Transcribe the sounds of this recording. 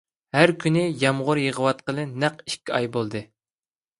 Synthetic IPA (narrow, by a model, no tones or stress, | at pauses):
hæɾkʲʰynɪjɑmʁʊɾjəʁəwɑt̪̚qəlˠɨnæqi̥ʃkʲːiɑjbolˠd̪ɨ